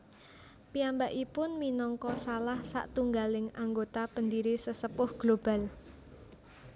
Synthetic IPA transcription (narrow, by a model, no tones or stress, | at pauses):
piambaʔipʊnminɔŋkɔsalahsa̰ʔt̪uŋɡalɪŋaŋɡot̪apəndiɾisəsəpʊhɡ̥lob̥a̤l